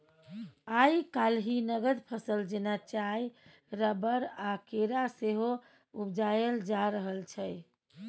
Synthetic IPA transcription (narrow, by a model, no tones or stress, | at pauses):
ajkalɦinəɡəd̪pʰəsəld͡ʒenat͡ʃai | ɾəbəɾakeɾaseɦo | ubd͡ʒajeld͡ʒaɾəɦəlt͡ʃʰəj